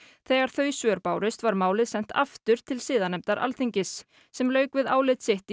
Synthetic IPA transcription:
θɛːɣaɾ̥θœːɥsvœːɾpaːwɾɪst̪vaɾmaːwlɪðsɛn̥t̪ʰa̰ft̪ʏɾ̥t̪ʰɪlsɪːðanɛmt̪aɾʔa̰lθiɲcɪsː | ɛmlœːɥkvɪðaːwlɪt̪sɪht̪

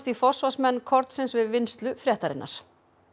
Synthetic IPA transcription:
t̪ifɔr̥svasmɛnːkʰɔɾt̪sɪnsvɪðvɪnst̪lʏfɾjɛːht̪aɾɪ̰nːʔa̰ɾ̥

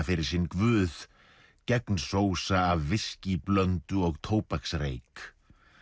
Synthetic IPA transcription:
fɪɾɪɾ̥sinkvʏːð | cɛknsoːwsaːvːɪsciplœnt̪ʏɔɣt̪ʰoːwpaksrḛjk

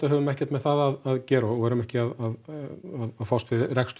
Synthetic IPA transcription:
t̪aɦɛvɾmɛhcɛ̥t̪mɛðθaːðaðaðcɛːɾɔɣɛɾʏmɛhcɪaðaðaðaðfawst̪vɪðɪɾɛkst̪

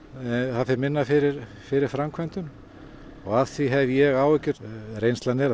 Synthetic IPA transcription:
θaðfɪɾmɪnːafɪɾɪɾ̥ | fɪɾɪɾ̥fɾamkʰvɛnt̪ʏm | ɔɣaðθviɦɛvjɛɣaːwɛcːɪɾrejnst̪lanɛɾ

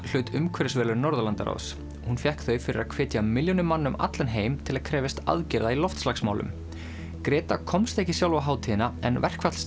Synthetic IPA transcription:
l̥œːɥt̪ʏmkʰɛɾɪsvɛːlʏɾnɔɾðalant̪a̰ɾa̰ws | hunfjɛhkθœɥfɪɾɪɾaðkʰv̥ɛːt̪jamɪljɔnʏmanːʏma̰t̪lanɦeːjmt̪ʰɪlaðkʰɾɛːvɪst̪a̰ðcɛɾðailɔft̪slaksmaːwlʏ̰m | kɾɛːt̪akʰɔmst̪ehcɪsjawlvaɦaːwt̪ʰiðɪnaɛ̰nvɛr̥kʰvat̪l̥s

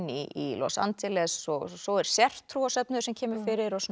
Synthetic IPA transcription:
niʔilɔ̰sa̰nt̪ʰɪlɛsːɔsɔɛɾ̥sjɛr̥t̪ʰːɾuːasœpnʏsɛmcʰɛːmʏɾ̥fɪːɾɪɾɔsn

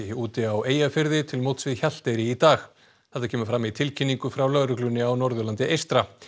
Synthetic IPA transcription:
uːt̪ɪaweːjafɪɾðɪt̪ʰɪlmowt̪svɪðçal̥t̪ejɾɪit̪aːx | θɛht̪ḁkcʰɛːmʏɾfɾamit̪ʰɪlcʰɪnːiŋkʏfɾawlœɣɾʏklʏnːɪawnɔɾðʏlant̪ɪʔejst̪ɾa

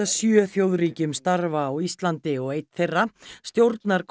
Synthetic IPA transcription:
asjœːθjowðriːcʏmst̪aɾvaːwist̪lant̪ɪɔɣejt̪θejrːast̪jowɾt̪naɾk

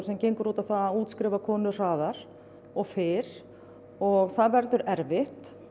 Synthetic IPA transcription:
ɾsɛmcejŋkʏɾuːt̪aθaðuːt̪skɾɪːvakʰɔːnʏr̥aːðaɾ̥ | ɔɣfɪːɾ̥ | ɔɣθaðvɛɾðʏɾɛɾvɪht̪

